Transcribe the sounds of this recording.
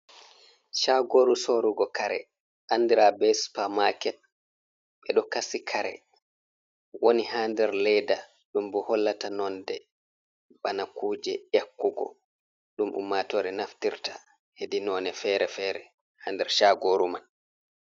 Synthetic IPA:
ʃaɡoɾusoɾuɡɔkaɾɛ̰ | ʔandiɾabɛspamakɛ | ɓɛɗɔkasikʰaɾɛ̰ | wonihaːndɛɾlɛjda | ɗumbɔhɔlːatanɔndɛ | ɓanakuːd͡ʒɛʔakːuɡɔ̰ | ɗumʔṵmːatɔɾɛnaftiɾta | hedinɔːnɛfɛɾɛfɛɾɛ | handɛɾʃaɡoɾuman

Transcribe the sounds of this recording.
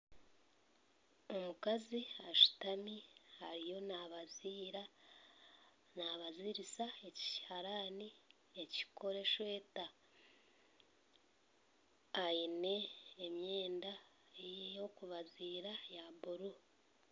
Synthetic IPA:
o̞mukaziaʃu̥tamihaɾijo̞naβɾ | naβaziɾisaeci̥haɾani | eci̥kʰo̞ɾe̞ʃwe̞ːta | jine̞ːmje̞ːnda | ejjo̞kuβaziːɾajaβuɾu

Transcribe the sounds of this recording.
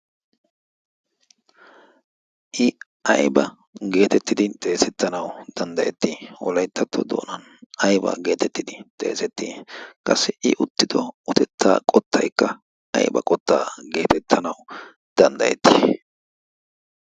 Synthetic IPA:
ʔɪ | ʔɐjbɐ | ɡe̞ːt̪ɛt̪ːɪd̪ɪt̪ʼe̞ːsɛt̪ːɐnɐwd̪̥ɐnd̪ɐjɛt̪ːiːwɔ̰lɐjt̪ːɐt̪ːɔd̪o̰ːnɐn | ɐjbɐ̰ːɡe̞ːt̪ɛt̪ːɪd̪ɪt̪ʼe̞̰ːsɛt̪ːiːkʼɐsːɛʔɪʔʊt̪ːɪd̪ɔʊt̪ɛt̪ːa̰ːkʼɔt̪ːɐjkːɐ | ɐ̰jɪbɐ̰kʼɔt̪ːa̰ːɡe̞ːt̪ɛt̪ʰːɐnɐw | d̪̥ɐnd̪ɐjɛt̪ːiː

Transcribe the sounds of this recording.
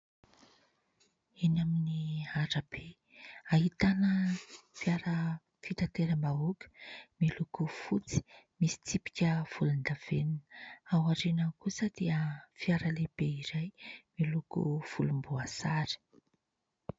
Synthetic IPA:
enaminiaɾəb̥e | ahit̪anəfiaɾə | fit̪at̪eɾəmbaukʲu̥milukufut͡si̥ | misi̥t͡sipi̥kʲəfulund̪av̥eninawaʈ͡ʂenakusəd̪̥eəfiaɾəleb̥eiɾajmilukṵfulumbuasaɾi̥

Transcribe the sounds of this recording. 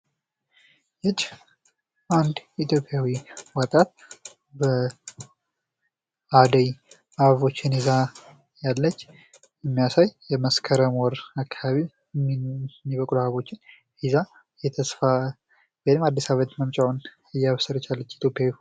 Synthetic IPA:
jɛt͡ʃʼː | ʔand̪it̪ʰjo̞pʼːjawiwət̪ʼat̪̚ | bə | ad̪əj | aβo̞t͡ʃːɪniza | jalːət͡ʃː | jɛmːijasajjɛməskʰəɾəmɔɾakʰːaaβi | mːiβəkʼluaβo̞t͡ʃːɪn | iza | jɛt̪ʰəsfa | bɛnɨmad̪ːisaβət̪məmt͡ʃʼawn | ɨjːaβsəɾət͡ʃːalːət͡ʃːt̪ʰjo̞pʼjawi

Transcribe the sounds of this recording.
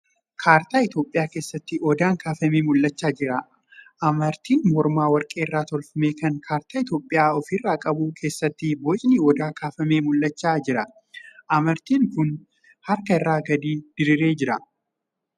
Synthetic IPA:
kʰaːɾt̪aːɪt̪jo̞ːpʼːɪjaːke̞ːsːɐt̪ːɪʔɔd̪aːŋkʰaːfɐmeːmʊlːɐt͡ʃːaːd͡ʒɪɾɐ | ʔɐmɐɾt̪iːnmɔɾmaːwɐɾkʼeːɪrːaːt̪ɔlfɐmeːkɐŋkʰaːɾt̪aːɪt̪jo̞ːpʼːɪjaːɔfɪrːaːkʼɐbuːkʰe̞ːsːɐt̪ːɪboːt͡ʃʼɪniɔd̪aːkʰaːfɐmeːmʊlːɐt͡ʃːaːd͡ʒɪɾɐ | ʔɐmɐɾt̪iːŋkʊn | hɐɾkɐɪrːaːɡɐd̪iːd̪̥ɪɾɪɾe̞ːd͡ʒɪɾɐ

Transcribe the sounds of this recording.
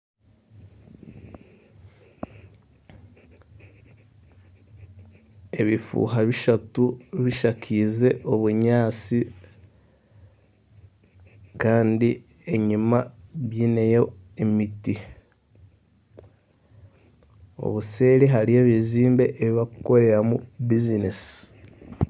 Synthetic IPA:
e̞βifṵːɦaβiʃatuβiʃakʰize̞ʔo̞βuɲaːt͡si | kaːndi | e̞ɲimaβjinejo̞emiti | o̞̰βuse̞ːɾiɦaɾie̞ːβiziːmbe̞ʔeβiβakuko̞ɾe̞ɾamubizinesi̥

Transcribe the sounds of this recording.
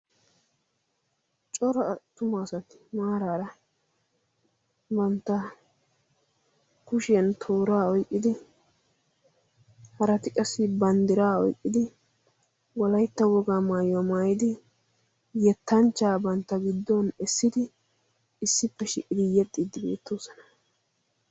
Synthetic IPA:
t͡ʃʼɔɾɔɐt̪ːʊmaːsɐt̪ɪ̥maːɾaːɾɐ | bɐnt̪ːɐ | kʊʃɛnt̪ʰoːɾaːɔjkʼːɪd̪ɪ | hɐɾɐt̪ɪkʼɐsːɪbɐnd̪ɪɾaːɔ̰jkʼːɪd̪ɪ | wɔlɐjt̪ːɐwɔɡaːmaːjwɐmaːjɪd̪ɪ | jɛt̪ːɐnt͡ʃːaːbɐnt̪ːɐɡɪd̪ːɔnɛsːɪd̪ɪ | ɪsːɪpːɛʃɪʔʼːɪd̪ɪjɛt̪ʼːid̪ɪbe̞̰ːt̪ːo̞ːsɐnɐ̥

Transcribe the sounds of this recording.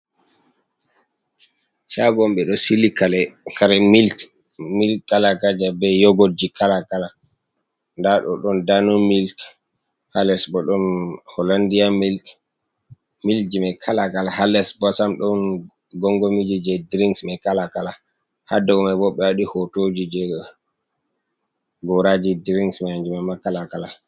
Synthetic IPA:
ʃaɡɔmɓɛɗɔsilikalɛkʰaɾɛmil | milkalaɡad͡ʒabɛjɔɡod͡ʒikʰalakala | ndaɗɔ̰ɗɔndanɔmilk | halɛsbɔɗɔnhɔlandijamil | mild͡ʒimɛkʰalakalahalɛsbɔsamɗɔn | ɡɔŋɡomid͡ʒid͡ʒɛdɾiŋsmɛkalakala | hadɔɡɔmɛbɔɓɛwaɗihɔtod͡ʒid͡ʒɛ | ɡɔɾad͡ʒidiɾiŋsmɛjand͡ʒumamakːalakala

